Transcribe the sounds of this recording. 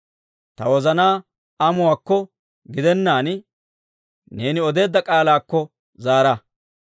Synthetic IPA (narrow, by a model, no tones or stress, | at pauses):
t̪ɐwɔzɐnaː | ɐmʊwaːkːɔ | ɡɪd̪ɛnːaːn | ne̞ːnɪɔd̪e̞ːd̪ːɐkʼaːlaːkːɔ | zaːɾɐ